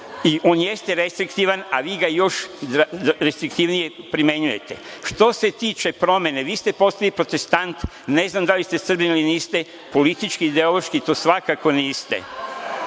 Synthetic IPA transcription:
iʔo̞ːnjest̪eɾest̪ɾikt̪iʋanaʋiːɡajo̞ʃ | ɾest̪ɾikt̪iʋnije̞pɾime̞ɲuje̞t̪ḛʃt̪o̞se̞t̪iːt͡ʃe̞pɾo̞me̞neʋiːst̪e̞po̞st̪alipɾo̞t̪e̞st̪ant̪ | ne̞znamd̪alist̪e̞sr̩biniliniːst̪e̞ | po̞lit̪it͡ʃkiːd̪eo̞loʃkit̪oːsʋakako̞niːst̪ḛ

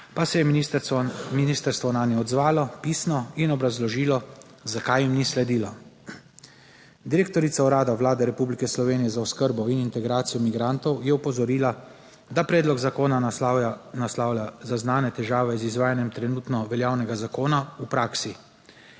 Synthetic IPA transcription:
pasɛjɛ | minist̪əɾst̪ʋɔnaːnjɛɔd̪zʋaːlɔpiːsnɔinɔbɾazlɔʒiːlɔ | zakajimnislɛd̪iːlɔ | d̪iɾek̚t̪ɔɾit̪saɔɾaːd̪aʋlaːd̪ɛɾɛpublikɛslɔʋeːnijɛzaɔskəɾbɔinint̪ɛɡɾaːt̪sijɔmiɡɾant̪ɔwjɛupɔzɔɾiːla | d̪apɾɛːd̪lɔɡzakoːna | naslaːwlʲazaznaːnɛt̪ɛʒaːʋɛzizʋaːjanjɛmt̪ɾɛnuːt̪nɔʋɛljaːwnɛɡazakoːnaupɾaːksi

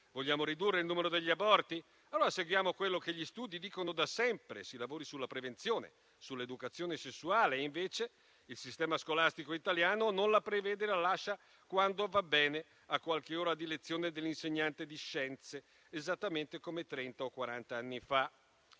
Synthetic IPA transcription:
voʎːaːmoɾid̪urːeilnuːmeɾod̪eʎːiabɔrt̪i | alːoːɾaseɡwjaːmokwelːok̟eʎːist̪uːd̪id̪iːkonod̪asɛmpɾḛsilavoːɾisulːapɾevent̪sjoːnḛ | sulːed̪ukat̪sːjoːnesesːuaːleiɱveːt͡ʃe | ilsist̪ɛːmaskolast̪ikoit̪aljaːnononlapɾeveːd̪elalaʃːa | kwand̪ovabːɛːne | akːwalkeoːɾad̪ilet̪sːjoːned̪elːinseɲːant̪ed̪iʃɛnt̪seː | zat̪ːament̪ekomet̪ɾɛnt̪aokːwaɾant̪aanːifa

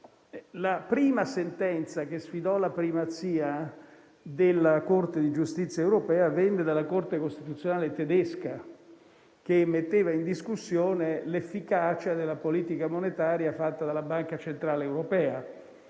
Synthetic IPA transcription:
lapɾiːmasent̪ɛnt̪sakesfid̪ɔlapɾimat̪siːa | d̪elːakort̪ed̪id͡ʒust̪it̪sjaewɾopɛːavɛnːed̪alːakort̪ekost̪it̪ut̪sːjonaːlet̪ed̪ɛska | k̟emːet̪ːeːvaind̪iskusːjoːnelefːikat͡ʃad̪elːapoliːt̪ikamonet̪aːɾjafat̪ːad̪alːabaŋkat͡ʃent̪ɾaːleːwɾopɛːa

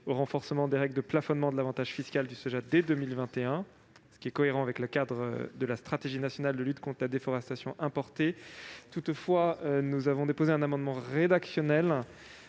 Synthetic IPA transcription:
oʁɑ̃fɔʁsəmɑ̃d̪eʁɛɡləd̪əplafɔnmɑ̃d̪əlavɑ̃t̪aʒ̥fiskʲald̪ysøʒad̪ɛd̪ømilvɛ̃t̪eɛ̃ | sə̥kʲiɛkɔeʁɑ̃avɛkləkad̪ʁə̰d̪əlast̪χat̪eʒinasjɔnald̪əlyt̪kɔ̃t̪χəlad̪efɔʁɛst̪asjɔ̃ʔɛ̃pɔʁt̪et̪ut̪fwaønuzavɔ̃d̪epozeɛ̃namɑ̃d̪mɑ̃ʁed̪aksjɔnɛl

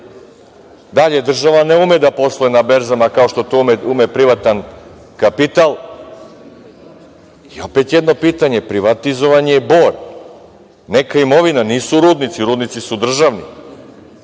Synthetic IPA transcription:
d̪aʎe̞d̪r̩ʒaʋaneumed̪apo̞slˠojenabe̞ɾzamakao̞ʃt̪o̞t̪omeumepɾiʋat̪an | kapit̪alˠ | io̞pet̪jed̪no̞piːt̪aɲe̞pɾiʋat̪izo̞ʋaɲebo̞ːɾ | ne̞kaimo̞ʋinaniːsuɾuːd̪nit̪siɾuːd̪nit̪sisud̪r̩ʒaʋnḭ

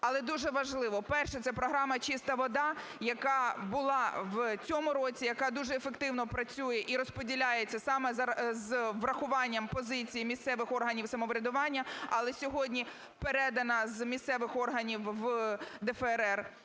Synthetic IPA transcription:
ɐlˠɛd̪uʒɛʋɐʒlˠɪʋɔpɛrʃɛt̪sɛpɾɔɦɾɑmɐt͡ʃist̪ɐʋɔd̪ɑ | jɐkɑbʊlˠɑʋt͡sʲɔmʊɾɔt͡sʲijɐkɑd̪uʒɛefekt̪ɪwnɔpɾɐt͡sʲujɛʔiɾɔspɔdʲilʲajet͡sʲːɐsɑmɛzzʋrɐxʊʋɑnʲːɐmpɔzɪt͡sʲijimʲist̪sɛʋɪxɔrɦɐnʲiwsɐmɔʋɾʲɐd̪ʊʋɑnʲːɐɐlˠɛsʲɔɦɔdʲnʲi | peɾɛd̪ɐnɐzmʲist̪sɛʋɪxɔrɦɐnʲiwʋd̪ɛfɛɛɾɛr

